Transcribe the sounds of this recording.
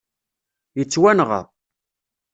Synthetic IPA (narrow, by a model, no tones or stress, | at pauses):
jət͡sːwænʁə̰ðˤ